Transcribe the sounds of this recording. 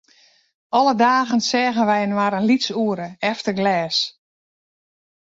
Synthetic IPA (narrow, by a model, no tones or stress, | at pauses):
ʔɔlədaːɣənsɛːɣənʋɛjənwaɾənlit͡suəɾəɛftəɡlɛːs